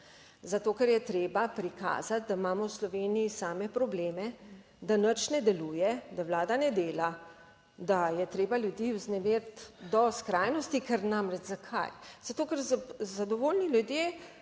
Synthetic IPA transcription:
zat̪oːkɛɾjɛt̪ɾeːbapɾika̰ːzat̪̚d̪aimaːmɔwslɔʋeːniisaːmɛpɾɔbleːmɛ | d̪anət͡ʃnɛd̪ɛluːjɛd̪awlaːd̪anɛd̪eːla | d̪ajɛt̪ɾeːbaljud̪iwznɛmeːɾt̪d̪ɔskɾaːjnɔst̪ikɛɾnamɾɛd͡ʒzakʰa̰jz̥at̪oːkɛɾzazad̪ɔʋoːlnilʲjud̪jeː

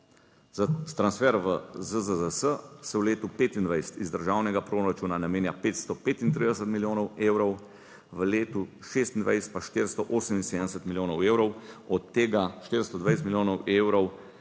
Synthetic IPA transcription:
zt̪ɾansfɛɾʋəzəzəzəsəsɛwleːt̪upeːt̪ind̪ʋajsɛ̥t̪izd̪əɾʒaːwnɛɡapɾoɾat͡ʃuːnanameːnjapeːt̪st̪ɔpeːt̪int̪ɾiːd̪ɛs̬ət̪miljoːnɔweːwɾɔw | ʋəleːt̪u | ʃeːst̪ind̪ʋa̰jsɛ̥t̪̚paʃt̪eɾst̪ɔʔoːsəminseːd̪ɛsɛt̪miljoːnɔweːwɾɔwɔt̪ːeːɡaʃt̪eɾst̪ɔd̪ʋajs̬t̪miljoːnɔweːwɾɔw

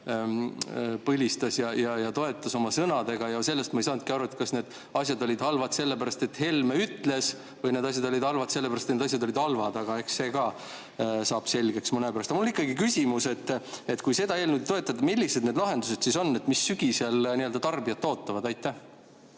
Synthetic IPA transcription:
pɤlʲist̪ɑsjɑjɑjɑt̪o̞e̞t̪ːˑɑso̞mɑsɤnɑd̪̥e̞ɡ̥ɑjɑse̞lːest̪mɑejsɑːnud̪kiɑɾuet̪̚ˑkɑsne̞ːd̪̥ | ɑsʲjɑd̪o̞lʲid̪hɑlvɑt̪se̞lːepæɾɑst̪e̞t̪ːhe̞lmeyt̪ːˑle̞s | vɤjned̪ɑs̬ʲjɑd̪o̞lʲid̪̥hɑlvɑt̪se̞lːe̞pæɾɑst̪ened̪ɑs̬ʲjɑd̪o̞lid̪hɑlvɑd̪ɑɡ̥ɑe̞hksse̞ːɡɑ | sɑːb̥se̞lɡe̞ksmɤnepæɾɑst̪ɑmulːnikːˑɑɡikysʲimuse̞t̪ːe̞t̪kujse̞d̪ɑeːlnud̪t̪o̞et̪ːˑɑd̪ɑmilʲːise̞d̪ne̞d̪lɑɦe̞nd̪use̞d̪̥siso̞nːe̞t̪misːyɡ̥iselniøld̪ɑt̪ɑrbiɑt̪ːo̞ːt̪ːɑvɑd̪ɑjt̪ːˑæh

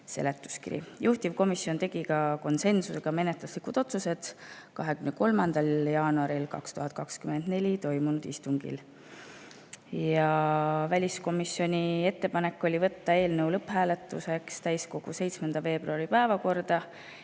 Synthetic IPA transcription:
se̞̰le̞t̪ːˑu̥skḭɾḭjuht̪ivko̞misjo̞nt̪e̞ɡ̥ikɑko̞nse̞nsuse̞ɡ̥ɑme̞net̪luslikud̪̥o̞t̪suse̞d̪̥kɑɦe̞kymneko̞lmɑnd̪̥ɑljɑːnuɑɾilkɑ̰kst̪uɦɑt̪̚ːˑkɑkskymend̪̥ne̞lʲit̪o̞jmunud̪̥ist̪uŋɡ̥ḭl | jɑvælʲisko̞misjo̞nʲie̞t̪ːe̞pɑne̞kːˑo̞lʲivɤ̞t̪ːɑe̞ːlnəwlɤpːhæːle̞t̪ːˑuse̞kst̪æjsko̞ɡ̥use̞jt̪smend̪̥ɑve̞ːbruɑɾipæevɑko̞rd̪̥ɑ

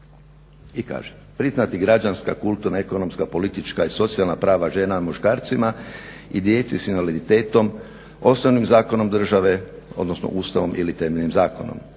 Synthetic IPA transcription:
ika̰ːʒe | pɾiznat̪iɡɾad͡ʒanska̰kult̪uɾnaekono̞mskapo̞lit̪it͡ʃkaiso̞t̪sialnapɾaːʋaʒe̞ːnamuʃkaːɾt̪sima | id̪jeːt̪sisinʋalid̪it̪e̞ːt̪o̞m | o̞snoʋnimzaːko̞no̞md̪r̩ʒaʋe̞ | od̪nosno̰ʔuːst̪aʋo̞mʔilit̪emeʎnimzaːko̞̰no̰m

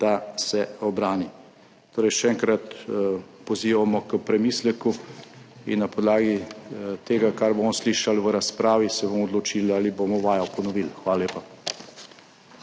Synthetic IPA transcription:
d̪̥asɛɔbɾaːni | t̪oːɾɛjʃɛɛŋkɾat̪ | pɔziːʋamɔkəpɾɛmiːslɛku | ḭnːapɔd̪laːɡit̪eːɡakaɾboːmɔsliʃalʋəɾaspɾaːʋisɛbomɔɔd̪lɔt͡ʃiːlalibomɔʋaːjɔpɔnɔʋilxʋaːlaleːpa

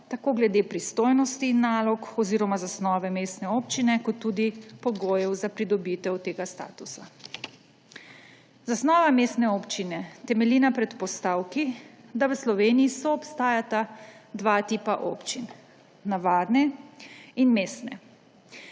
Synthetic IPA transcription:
t̪akoːɡlɛd̪epɾist̪oːjnɔst̪iːnːaːlɔkɔziːɾɔmazasnɔːʋɛmeːst̪nɛoːpt͡ʃinɛkɔt̪ːuːd̪ipɔɡoːjɛwzapɾid̪ɔbit̪ɛwt̪eːɡast̪a̰ːt̪usa | zasnɔːʋameːst̪nɛoːpt͡ʃinɛt̪ɛmɛliːnapɾɛt̪pɔst̪aːwkid̪aʋəslɔʋeːniːsɔːpst̪aːjat̪ad̪ʋaːt̪iːpaʔo̰ːpt͡ʃin | naʋaːd̪nɛ | inmeːst̪nɛ̰

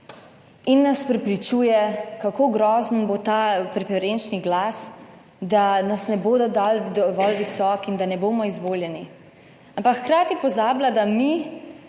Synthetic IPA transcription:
inːaspɾɛpɾit͡ʃuːjɛkakoːɡɾɔːzənbot̪aːpɾɛfɛɾent͡ʃniɡlaːs | d̪anasnɛboːd̪ɔd̪aːld̪ɔʋɔlʋisɔːkind̪anɛboːmɔizʋoːljɛni | ampakxkɾaːt̪ipɔzaːblad̪ami

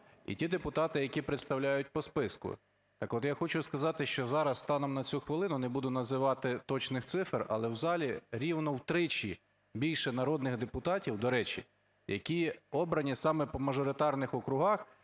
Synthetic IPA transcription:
ḭtʲid̪epʊt̪ɑt̪ɪjɐkʲipɾet̪st̪ɐwlʲajʊt̚ʲpɔspɪskʊ̰ | t̪ɑkɔt̪jaxɔt͡ʃʊskɐzɑt̪ɪʃt͡ʃɔzɑɾɐsːt̪ɑnɔmnɐt͡sʲuxʋɪlˠɪnʊnɛbud̪ʊnɐzɪʋɑt̪ɪt̪ɔt͡ʃnɪxt̪sɪfrɐ̰lˠɛwzɑlʲiɾʲiwnɔwt̪ɾɪt͡ʃʲi | bʲilʲʃɛnɐɾɔd̪nɪɣd̪epʊt̪ɑtʲiwd̪ɔɾɛt͡ʃḭ | jʔɐ̰kʲiɔbɾɐnʲisɑmɛpɔmɐʒɔɾɪt̪ɑrnɪxɔkɾʊɦɑx

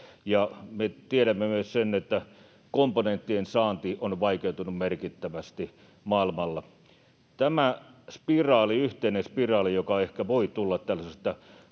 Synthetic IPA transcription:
jɑmet̪ieɾæmːemyøssenet̪ːæ | komponent̪ːiensɑːnt̪iːʔonʋɑikeut̪unummerkit̪ːæʋæst̪i | mɑˑilmɑlːɑ | t̪æmæspirɑːliyht̪einenspirɑːlijokɑehkæʋoit̪ulːɑt̪t̪ælːæsest̪ɑ

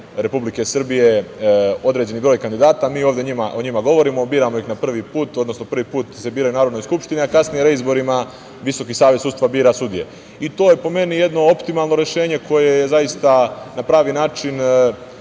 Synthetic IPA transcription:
ɾe̞publike̞sr̩bije̞ | o̞d̪ɾe̞d͡ʑe̞nibɾo̞ːjkand̪id̪aːt̪amiːo̞ːʋd̪jeɲimaʔoɲimaɡo̞ʋo̞ɾiːmo̞biːɾamoixnapr̩ʋipuːt̪o̞d̪no̞sno̞pr̩ʋipuːt̪se̞biːɾajunaːɾod̪nojskupʃt̪iniakasnijeɾeizbo̞ɾima | ʋiso̞kiːsaːʋjesud̪st̪ʋabiːɾasud̪ije̞̰ | it̪o̞ːjepo̞me̞nije̞d̪no̞o̞pt̪imalˠno̞ɾe̞ʃe̞ːɲe̞kʰo̞jejezaist̪anapɾaːʋinaːt͡ʃin

